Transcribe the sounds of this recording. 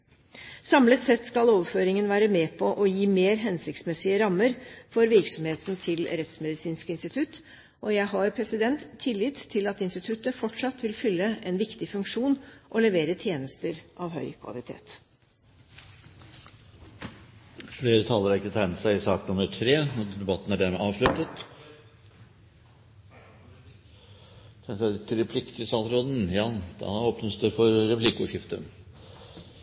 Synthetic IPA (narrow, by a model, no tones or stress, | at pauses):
sɑmlət̪sɛt̪skɑloːʋəɾføːɾɪŋənʋæːɾəmeːpʰɔʔɔjiːmeːɾɦɛnsɪkt̪smɛsɪəɾɑmːəɾfɔɾʋɪɾksɔmheːt̪n̩t̪ʰɪlɾɛt̪smɛd̪ɪsiːnskɪnst̪ɪt̪ʰʉt̪ | ʔɔjæɪɦɑɾpʰɾɛsɪd̪ɛnt̪ʰːɪlːɪd̪ʰɪlɑt̪ɪnst̪ɪt̪ʰʉt̪əfɔʈʂɑt̪ʋɪlfʏlːəɛnʋɪkt̪ɪfʉŋkʂuːnʔɔlɛʋeːɾət̪ʰjeːnəst̪əɾʔɑʋɦœ̰ʏkʰʋɑ̰lɪt̪ʰḛːt̪ | fleːɾət̪ʰɑːləɾɑɾɪkːət̪ʰæɪnət̪sæɪɪsɑːknɑnœt̪fɾeːɔd̪ɛbɑt̪ːn̩æɖæɾmɛʔɑːʋʂɭʉt̪ːət̪ | t̪ʰɛnsæɪt̪ʰːɪlɾɛpʰlɪkt̪ʰɪəsɑlɾoːd̪n̩jɑːd̪̥ɑ̰ɔpnəst̪əɾfɔɾɾɛpʰlɪkəʊʂɪft̪ə̰